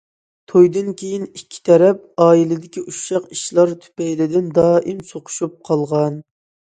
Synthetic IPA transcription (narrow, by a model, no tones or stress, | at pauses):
t̪ʰojd̪ɨnkʲʰejinikʲʰːi̥t̪ʰɛɾɛp̚ɑːilˠɪd̪ɪkʲiʔuʃɑqiʃlˠɑɾt̪ʰy̥pɛjlɪd̪ɪnd̪ɑːʔimsoqʰʊ̥ʃup̚qʰɑlˠʁɑn